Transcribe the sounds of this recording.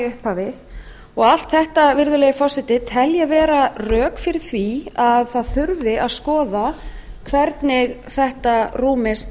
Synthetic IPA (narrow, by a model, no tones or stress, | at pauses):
ʏhpavɪ | ɔɣal̥t̪θɛht̪avɪɾðʏleːjfɔwsɪt̪ɪt̪ʰɛljɛvɛːɾarœːkfɪɾɪɾ̥θviaðθaðθʏɾvɪaðskɔːðakʰvɛɾt̪nɪɣθɛht̪aruːmɪst̪